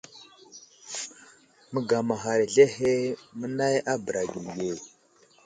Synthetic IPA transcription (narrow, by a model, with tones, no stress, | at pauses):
mə˦ɡa˨ma˨ɦa˨ɾɮe˦he˦mə˦na˦ja˦bə˨ɾa˨ɡi˨je˨